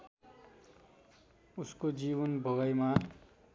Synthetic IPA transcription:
uskod͡ziβʌnbʱʌɡʌjma

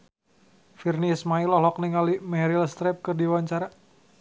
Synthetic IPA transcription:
firnismailɔlɔk̚niŋalimɛɾilst̪ɾɛp̚kɨrdiwaɲt͡ʃaɾa

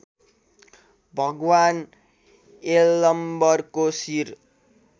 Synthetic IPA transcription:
bʱʌɡwan | elːʌmbʌrkosir

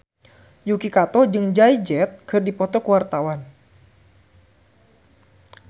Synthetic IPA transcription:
jukikat̪ɔd͡ʒɨŋd͡ʒaid͡ʒɛt̪̚kʰɨrdipɔt̪ɔkəwart̪awan

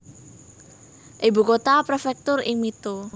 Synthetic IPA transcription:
ʔibṳkot̪apɾefɛk̚t̪ʊrɪŋmit̪u

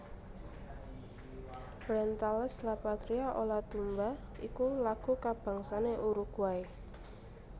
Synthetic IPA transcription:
ɾɛnt̪alɛslapat̪ɾiaʔolat̪umba | ikulaɡ̥ukab̥a̤ŋsaneʔuɾuɡ̥uae

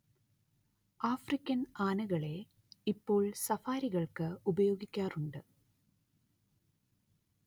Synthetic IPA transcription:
aːfrikʲːɐnaːnɨɣɐɭe̞ | ipːo̞ːɭsɐfaːɾiɣɐɭkɨubɐjo̞ːɡikʲːaːruɳɖɨ

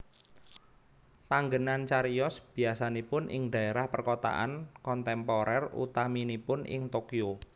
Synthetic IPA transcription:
paŋɡənant͡ʃaɾiɔsb̥i̤asanepʊnʔɪ̰ŋda̤eɾahpərkot̪a̰ʔa̰nkɔnt̪ɛmpɔɾɛrṵt̪aminipʊnɪ̰ŋt̪okio

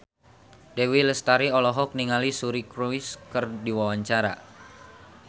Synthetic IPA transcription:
dewiləst̪aɾiɔlɔɦɔk̚niŋalisuɾikɾuiskərdiwawaɲt͡ʃaɾa̰

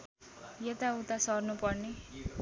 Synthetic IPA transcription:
jet̪aut̪asʌrnupʌrne

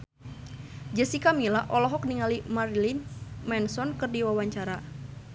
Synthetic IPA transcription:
d͡ʒəsikamilaʔɔlɔɦɔk̚niŋalimarlinmɛnsɔnkɨrdiwawaɲt͡ʃaɾa

